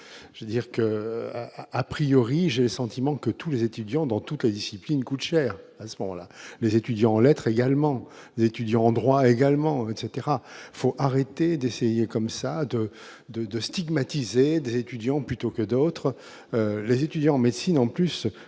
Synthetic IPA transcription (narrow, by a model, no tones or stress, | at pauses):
ʒ̥əd̪iʁkə | apχijɔʁiʒeləsɑ̃t̪imɑ̃kət̪ulezet̪yd̪jɑ̃d̪ɑ̃t̪ut̪led̪isiplinkut̪ʃɛːʁasəmɔmɑ̰̃lalezet̪yd̪jɑ̃ɑ̃lɛt̪χeɡalmɑ̃ | lezet̪yd̪jɑ̃ɑ̃d̪ʁwaeɡalmɑ̃ɛt̪set̪eʁafoʔaʁet̪ed̪esejekɔmsad̪ə | d̪əd̪əst̪iɡmat̪ized̪ezet̪yd̪jɑ̃plyt̪okəd̪ot̪χ | ølezet̪yd̪jɑ̃ɑ̃med̪sinɑ̃plys